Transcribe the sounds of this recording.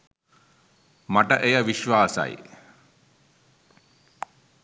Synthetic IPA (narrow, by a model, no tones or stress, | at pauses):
maʈəʔejəʋiʃʋaːsa̰j